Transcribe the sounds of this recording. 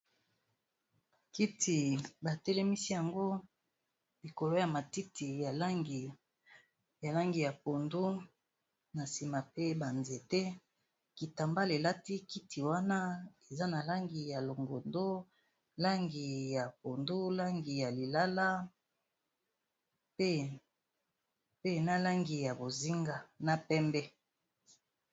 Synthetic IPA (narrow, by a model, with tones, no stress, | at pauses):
ki˦ti˨ba˨tɛ˦lɛ˦mi˦si˦ja˨ŋɡo˦ | li˨ko˨lo˦ja˨ma˨ti˦ti˨ja˨˦ɡ | ja˨la˦ŋɡi˨ja˨po˨ndu˦ | na˨si˨ma˨pe˦ba˨nze˨tɛ˦ | ki˨ta˨mba˦le˨la˦ti˦ki˦tʰi˨wa˦na˦e˨za˦na˨la˦ŋɡi˨ja˨lo˨ŋɡo˨ndo˦ | la˦ŋɡi˨ja˨po˨ndu˦la˦ŋɡi˨ja˨li˨la˦la˦ | pe˦ | pe˦na˦la˦ŋɡi˨ja˨bo˨zi˦ŋɡa˨na˦pɛ˦mbɛ˦